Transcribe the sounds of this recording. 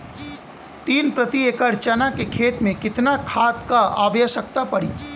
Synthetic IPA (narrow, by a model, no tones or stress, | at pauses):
t̪iːnpɾɐt̪ieːkəɾt͡ʃɐnakekʰeːt̪mẽkɪt̪nakʰaːt̪kaa̰ːʋjəʃək̚t̪apɐɽḭː